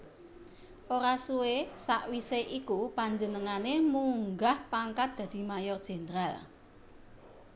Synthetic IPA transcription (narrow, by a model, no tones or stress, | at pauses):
ʔoɾasuwesaʔwiseʔikupaɲd͡ʒənəŋanemuŋɡahpaŋkat̪̚d̪̥ä̤d̪̥i̤majɔrd̥ʒ̥e̤nɾal